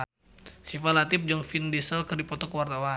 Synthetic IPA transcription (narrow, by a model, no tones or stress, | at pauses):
sifalat̪ɪp̚d͡ʒɔŋfindisəlkɨrdipɔt̪ɔkəwart̪awa